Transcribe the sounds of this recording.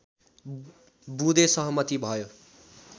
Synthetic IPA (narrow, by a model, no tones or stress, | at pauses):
bud̪esʌɦʌmʌt̪ibʱʌjo